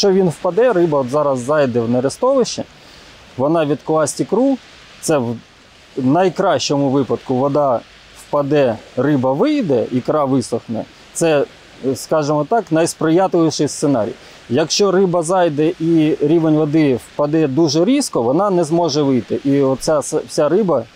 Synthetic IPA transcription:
ɐkʃt͡ʃɔʋʲinwpɐd̪ɛɾɪbɐɔt̪zɑɾɐzːɑjd̪ɛwnɛɾɪst̪ɔʋɪʃt͡ʃɛ | ʋɔnɑʋʲid̪klˠɑsʲtʲikɾu | t̪sɛw | nɐjkɾɑʃt͡ʃɔmʊʋɪpɐd̪kʊʋɔd̪ɑ | wpɐd̪ɛrɪbɐʋɪjd̪ɛikɾɑʋɪsɔxnɛ̰ | t̪sɛ | skɑʒɪmɔt̪ɑknɐjspɾɪjɑt̪ɪlʲˠɪʃɪjst̪senɑ̰ɾʲḭj | jɐkʃt͡ʃɔrɪbɐzɑjd̪ɛʔiɾʲiʋenʲʋɔd̪ɪwpɐd̪ɛd̪uʒɛɾʲiskɔʋɔnɑnɛzmɔʒɛʋɪjt̪ɪʔiɔt̪sʲassʲaɾɪbɐ

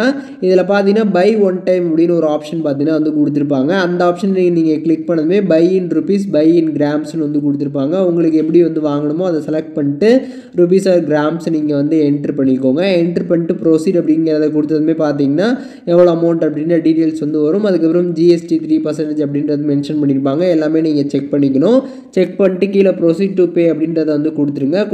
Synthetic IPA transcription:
aː | ɪðɪlɐpaːɾt̪ĩŋɡɐnaːbɐɪʋɐnʈɐɪmɐpːɐɽinːɐɔɾɯaːpʂɐnpaːɾt̪ĩːŋɡɐnːaːʋɐnd̪ɯkʊɽɯt̪̬ːɪɾɯp̬ːaːŋɡɐːnd̪ɐaːpʂɐnniːŋɡɐniːŋɡɐkɭɪk̚pɐɳːɐðɯmeːbɐɪɪnɾʊpiːsbɐɪɪnɡɾaːmsnɯʋɐnd̪ɯk̬ʊɽɯt̪ːɯɾɯpːaːŋɡɐʊŋɡɐɭɯkːɯɛpːɐɽiʋɐnd̪ɯʋaːŋɡɐɳɯmoːɐðɐsɛlɐk̚ʈ̚pɐɳːɪʈːɯ | ɾʊp̬iːsaːɡɾaːmsniːŋɡɐʋɐnd̪ɯɛɳʈɐɾpɐɳːɪkːoːŋɡɐɛɳʈɐɾpɐɳɪʈːɯpɪɾoːsiːɖɐpːɐɽɪŋɡɪɾɐðɛk̬ʊɽɯt̪̬ːɐðɯmeːpaːɾt̪̬iːŋɡɐnːaː | ɛʋːɐɭoːɐmɐʊɳʈɐpːɽɪnrɐɖiʈeːlsʋɐnd̪ɯʋɐɾɯmɐðɯkːɐpːɪɾɐmd͡ʒiːɛsʈit̪ʰɾiːpɐɾsɐɳʈed͡ʒɐpːɐɽɪndɾɐðɯmɛnʂɐnpɐɳːɪɾɯpːaːŋɡɐɛlːaːmeːniːŋɡɐt͡ʃɛk̚pɐɳːɪk̬ːɐnʊ̃ | t͡ʃɛk̚pɐɳʈːɯkiːlɐpɾoːsiːɖʈupeːɐpːɐɽɪnɾɐðɐʋɐnd̪ɯkɔɽɯt̪ːɯɾɯŋɡɐ

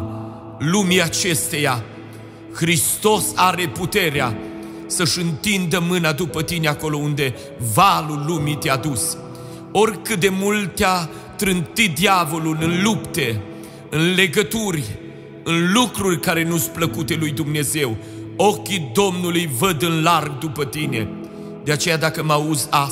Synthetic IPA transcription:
lumiat͡ʃe̞st̪e̞ja | xɾist̪o̞saɾe̞put̪e̞ɾea | səʃɨnt̪ind̪əmɨnad̪upət̪ineako̞lo̞und̪e̞ | valulːumit̪ead̪us | o̞rʲkɨt̪̚d̪e̞mult̪ːea | t̪ɾɨnt̪it̪̚d̪iavo̞lulʲɨnlupt̪e̞ | ɨnle̞ɡət̪urʲ | ɨnlukɾurʲkaɾe̞nus̚pləkut̪e̞lujd̪umne̞ze̞w | okʲid̪o̞mnulujvəd̪ɨnlarɡ̚d̪upət̪ine̞̰ | d̪eat͡ʃe̞jad̪akəmauza

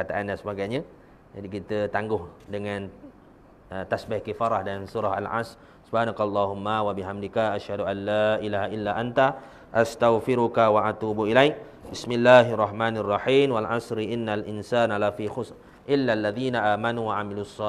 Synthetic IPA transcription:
kat̪aʔandansəbaɡajɲa | d͡ʒadikit̪ət̪aŋɡʊhdəŋan | ət̪asbihkifaɾahdansuɾaɦa̰lʕa̰s | subhaːnakalˤːɑɦumːawabiɦamdikaʔaʃhaduʔanːaʔilaːɦaʔilːaʔant̪a | ʔast̪aɣfɪɾukawaʔat̪uːbuʔilajk̚ | bɪsmɪlːaːɦʔarˤːɑħmaːnarˤːɑħiːmwalʕasɾiʔɪnːalʔɪnsaːnalafixʊs | ʔɪlːalːaðiːnaʔaːmanuwaʕamilusˤːɑ

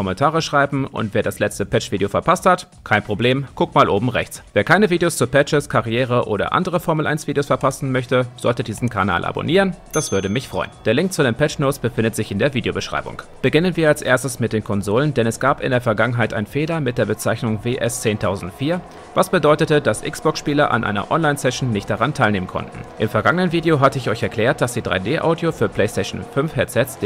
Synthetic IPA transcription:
kɔmɛntʰaːʁəʃʁ̥aɪbm̩ʔʊ̰ntv̥eːɐdaslɛt͡stəpɛt͡ʃv̥iːdeofɛɐpʰasthat | kʰaɪnpʁ̥obleːmɡ̥ʊk̚maːlʔoːbm̩ʁɛ̰çt͡sv̥eːɐkʰaɪnəviːdeost͡suːɐpɛt͡ʃəskʰaʁiɛːʁ̞əʔoːɾɐ̰ʔa̰ndəʁ̞əfɔɐml̩ʔa̰ɪnsv̥iːdeoːsfɛɐpʰasn̩mœçtəz̥ɔ̰ltədiːzn̩kʰaɐna̰ːlʔa̰bo̰niːʁənd̥asv̥ʏɐdəmɪçfʁ̥ɔ̰ʏənd̥eːɐlɪŋk̚t͡sudeːnpɛt͡ʃnoːsb̥əfɪndətz̥ɪçɪndeːɐviːdeobəʃʁ̥a̰ɪbʊ̰ŋb̥əɡɪnənviːɐalsʔeːɐstəsmɪt̚d̥eːnkʰɔnzoːləndɛnɛsɡ̥aːpɪ̰ndeːɐfɛɐɡaŋənɦaɪtʔa̰ɪnfeːlɐmɪt̚d̥eːɐbət͡saɪçnʊŋveːʔɛst͡seːntʰaʊzn̩tfiːɐ | vasb̥ədɔʏtətəd̥asʔɪ̰ksb̥ɔksʃpiːlɐʔa̰nʔa̰ɪnɐ̰ʔɔnlaɪnsɛʃn̩nɪçt̚d̥aʁantʰaɪlneːmənkʰɔ̰ntn̩ʔɪmfɛɐɡaŋənənviːdeoɦatəɪçɔʏçɛɐkl̥ɛːɐt̚d̥asd̥iːdʁa̰ɪdeːʔa̰ʊdjofyːɐpʰl̥ɛɪstɛʃn̩fʏnfhɛt͡sɛtsd̥

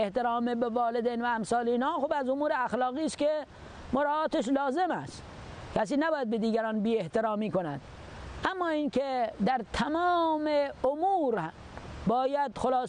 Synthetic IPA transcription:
eht̪eɾɑːmebevɒːled̪ejnvæːmsɑːliːnhɑːxuːbæzomuːɾeæxlɒːɣiːske | moɾɑːt̪eʃ̬lɒːzemæ̰st̪ | kʰæs̬iːnæbɒːjæd̪bed̪iːɡæɾɑːnbiːeht̪eɾɒːmiːkonæ̰d̪̥ | ʔæmːɒːiːnked̪æɾt̪ʰæmɒːmeomuːɾ | bɒːjæd̪xolɑː

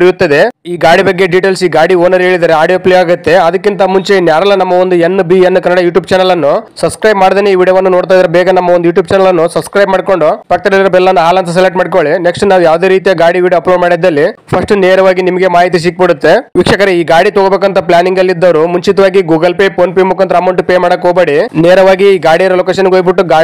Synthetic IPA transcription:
ɾijut̪ːɐd̪e̞iːɡaːɽibɐɡːe̞ɖiːʈeːlsiːɡaːɽioːnɐɾɦeːɭid̪aːɾeaːɾɖiopleaːɡut̪ːe̞ɐd̪ɐkːint̪ɐmuɲt͡ʃenjaːɾɐlːɐnɐmːɐond̪uenːbiɐnːukɐnːɐɽɐjuːʈjuːbt͡ʃɛːnɐlɐnːusɐbskɾɐjbmaːɖd̪eːneiːʋiːɽjɐʋɐnːunoːɽt̪aːjd̪ɐɾɐbɛːɡɐnɐmːɐonjuːʈjuːb̚t͡ʃɛːnɐlɐnːusɐbskɾɐjbmaːɽko̞ɳɖupɐk̚t̪ɐɽɐlɐɾɐbɛlːɐnːuɦaːlɐnt̪ʰɐs̬eleʈmaːɽɖkoɭineksʈunaːʋujaːʋd̪e̞ːɾiːt̪ijɐɡaːɽiʋiːɖjɐːɐploɖmaːɽid̪ːɐlːipʰɐsʈuneːɾɐʋaːɡinimɐɡe̞maːɦit̪̬is̬ik̚biɽut̪ːe̞ʋikʂɐkɐɾeiːɡaːɽit̪oɡobeːk̬ɐnt̪ʰɐplʲaːniŋɡɐlːid̪ːɐʋɐɾumuɲt͡ʃit̪ɐʋaːɡiɡuːɡɐlpepʰoːnpemukːɐnt̪ɐɾaːmɐwɳʈupemaːɽɐkːoːbeːɽineːɾɐʋaːɡiːɡaːɽijɐɾɐloːkeːʃ̬ɐnɡoːjbiʈːuɡaːi

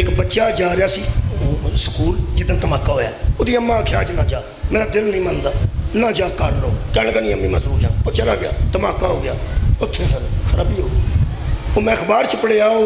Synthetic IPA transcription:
ɪkbətːʃaːd͡ʒaːɾeaːsĩː | sə̥kuːld͡ʒɪd̪ə̃nt̪əmaːkːaːɦoːja̰ːoːd̪iːəmːãːəkʰjaːt͡ʃnãːd͡ʒaː | mɛ̃ːɾaːd̪ɪlnəĩːmənd̪aːnãːd͡ʒaːkəɾɾoːkɛːɽ̃kanĩːəmːĩːmə̃ːsɾuːɾd͡ʒãːt͡ʃəlaːɡɪja̰ːt̪əmaːkːaːɦoːɡɪjaːʊt̪ʰːeːpʰɪɾkʰəɾaːbiːɦoː | oːmɛ̃ːkʰbaːɾt͡ʃʰəpəɽeːaːo

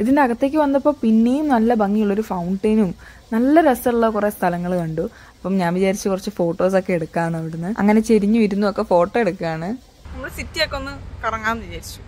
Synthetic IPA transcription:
iðindeɐɣɐt̪ːe̞ːk̬ʲːɨʋɐnːɐpːo̞ːpinːe̞jumnɐlːɐbɐŋːijuɭːo̞ɾufɐwɳɖɐːnum | nɐlːɐɾesɐuɭːɐkurest̪ʰɐlɐŋːɐɭkɐɳɖu | ɐpːɐmɲaːnʋit͡ɕaːɾit͡ɕːɨkurɐt͡ɕːɨfo̞ːʈːo̞ːso̞kːe̞eɽukːaːnɐʋiɽunːɨɐ̰ŋːɐne̞t͡ɕeɾiɲːuʋɐɾunːuokːe̞fo̞ːʈːoeɽukːaːɳɨ | enːɐsitːijokːeonːɨkɐrɐŋːaːnʋid͡ʑaːɾit͡ɕːu̥

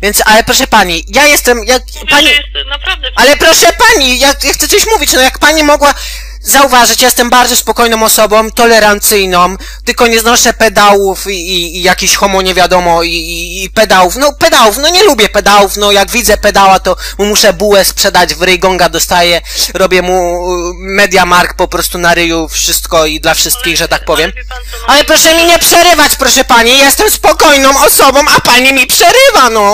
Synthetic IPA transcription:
vʲjɛntsalɛpɾɔʂɛpaɲijajɛst̪ɛmjak | paɲinɾad̪alɛpɾɔʂɛpaɲijakjaxt̪sɛt̪sɔɕmuvʲit͡ɕnɔjakpaɲimɔɡwa | zauvaʐɘt͡ɕjajɛst̪ɛmbaɾd̪zɔspɔkɔjnɔ̃mɔsɔbɔ̃mt̪ɔlɛɾant̪sɘjnɔm | t̪ɘlkɔɲɛznɔʂɛpɛd̪awufiːjakʲiɕxɔmɔɲɛvʲjad̪ɔmɔiːpɛd̪awufnɔpɛd̪awufnɔɲɛlubʲjɛpɛd̪awufnɔjaɡvʲid̪zɛpɛd̪awat̪ɔmumuʂɛbuwɛspʂɛd̪ad͡ʑvɾɛjɡɔŋɡad̪ɔst̪ajɛɾɔbʲjɛmu | mɛd̪ʲjamaɾkpɔpɾɔst̪unaɾɘjufʂɘst̪kɔid̪lafʂɘst̪̚kʲiɣʐɛt̪ak̚pɔvʲjɛm | alɛpɾɔʂɛmʲiɲɛpʂɛɾɘvat͡ɕpɾɔʂɛpaɲijɛst̪ɛmspɔkɔjnɔ̃w̃ɔsɔbɔ̃wapaɲimʲipʂɛɾɘvanɔ

